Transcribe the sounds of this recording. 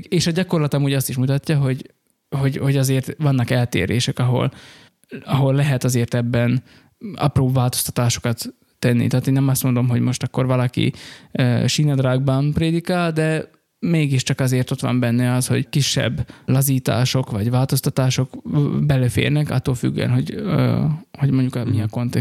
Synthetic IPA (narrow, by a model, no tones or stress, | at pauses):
eːʃɒɟɒko̞rlɒt̪ɒmuːɟɒst̪iʃmut̪ɒcːɒɦo̞ɟ | ho̞ɟho̞ɟɒzeːrt̪ʋɒnːɒkɛlt̪ḛːɾḛːʃɛkɒɦo̞̰l | ɒɦo̞lːɛɦɛt̪ɒzeːrt̪ɛbːɛn | ɒ̰proːvaːlt̪o̞st̪ɒ̥t̪aːʃo̞̥kɒt̪ː | ɛnːḭt̪ɛaːt̪eːnːɛmɒst̪mo̞nd̪o̞mɦo̞ɟmo̞ʃt̪ɒkːo̞rvɒlɒkḭøʃinɒd̪raːɡ̚bɒnpreːd̪ikaːld̪ɛ | meːɡiʃt͡ʃɒkɒzeːrt̪o̞t̪ʋɒ̰mbɛnːɛɒsho̞̰ɟkiʃːɛ̰bːlɒziːt̪a̰ːʃo̞kvɒɟʋaːlt̪o̞st̪ɒt̪aːʃo̞kbɛløfḛːrnɛkɒ̰t̪ːolfy̰ɡ̰ːɛ̰nɦo̞ɟ | hoɟmo̞ɲɟukmiɛko̞nt̪ɛ